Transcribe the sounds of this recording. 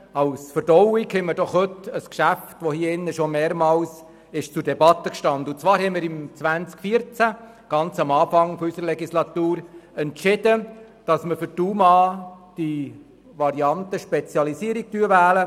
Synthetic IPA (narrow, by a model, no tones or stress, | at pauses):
ɑwsfəɾdɔwikhɛməɾdɔχhɵtəskʃæftʋɔhiːɪnːəʃɔmeːɾmɑːls | ɪʃt͡sudɛbɑt̪ːəkʃtɑnd̪əʊnt͡svɑːɾhɛɪmiːɾimt͡sʋænt͡skfiːəɾt͡sæ | ɡ̥ɑnt͡sɑmɑːfɑŋfɔysəɾəlɛɡislɑt̪uːɾɛntt͡ʃɪd̥ə | d̥ɑsməfʏɾtuːmɑːd̥i | ʋɑɾiɑntəʃpɛt͡sjɑlisiəɾiɡ̚tyːəʋæːlə